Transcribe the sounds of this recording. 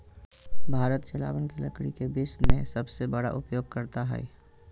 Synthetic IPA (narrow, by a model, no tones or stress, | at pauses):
bʱaːɾət̪t͡ʃɐla̰ːʋənkilə̰kɽikebɪsmẽsɐbsebɐɽa̰ʔʊpjoːɡ̚kəɾt̪aɦɛ̰ɛ